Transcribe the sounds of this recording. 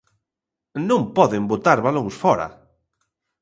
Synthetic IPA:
nõmpɔðembot̪aɾβaloŋsfɔɾɐ̰

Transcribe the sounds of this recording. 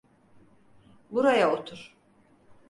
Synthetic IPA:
buɾajaot̪ʰuɾ̥

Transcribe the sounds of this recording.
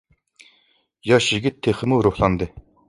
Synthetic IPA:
jɑʃjɪɡʲit̪ʰːeχəmuɾuhlˠɑnd̪ɨ

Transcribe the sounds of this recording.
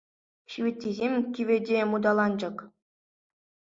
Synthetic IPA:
ɕiʋʲĭtʲːizʲemʲkʲiʋʲĕdʲemud̪ɑlˠɑnd͡ʑɤ̆k

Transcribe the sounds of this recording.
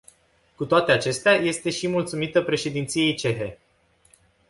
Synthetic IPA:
kut̪oat̪e̞at͡ʃe̞st̪eaje̞st̪e̞ʃimult̪sumit̪əpɾe̞ʃe̞d̪int̪sije̞jt͡ʃe̞ɦe̞

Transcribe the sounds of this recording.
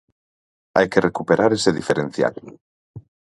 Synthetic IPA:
a̰jkerekupeɾaɾeseðifeɾen̟θja̰l

